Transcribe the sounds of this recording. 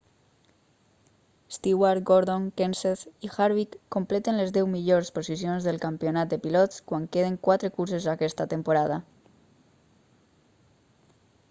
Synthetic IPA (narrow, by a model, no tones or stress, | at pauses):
st̪iwaɾɡoɾðoŋkenseθixaɾβikːomplet̪enlezðɛwmiʎoɾsposisjonzðelˠkampionat̪̚d̪epilɔt̪skwaŋkeð̞eŋkwat̪ɾekuɾsezakɛst̪at̪empoɾaða